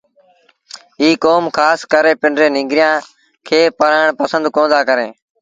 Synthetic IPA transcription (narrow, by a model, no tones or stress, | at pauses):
iːkoːmkʰaːskəɾẽːpɪɳɖɾẽːnɪ̃ːŋɡɾɪjãː | kʰeːpəɾaːɳpəsə̃nd̪kõːnd̪aːkəɾẽː